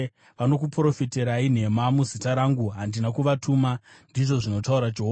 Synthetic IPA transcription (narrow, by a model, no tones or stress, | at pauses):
ʋano̞kupro̞fite̞ɾain̤e̞mamuzitaɾaŋɡuɦandinakuʋatʰumandiʐo̞ʐino̞tauɾad͡ʒeɦo